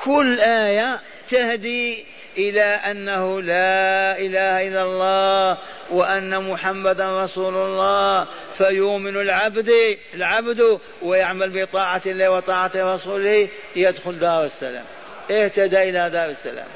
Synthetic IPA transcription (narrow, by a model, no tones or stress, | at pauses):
kʊlːʔaːja | t̪ɪhd̪i | ʔɪlaʔanːahʊlaʔɪlaːhaʔɪlːalˤːɑː | wɪʔanːamʊħamːad̪anɾˤɑsuːlʊlˤːɑː | fajʊʔmɪnlʕabd̪ | lʕabd̪ʊ | wɪjɪʕmalbɪt̪ˤɑːʕaɪlːaːwɪt̪ˤɑːʕaɾˤɑsuːlɪ | jɪd̪xʊld̪ɑːɾˤɪsːa̰la̰ːm | ʔɪht̪ad̪aʔɪlad̪ɑːɾɪsːa̰la̰ːm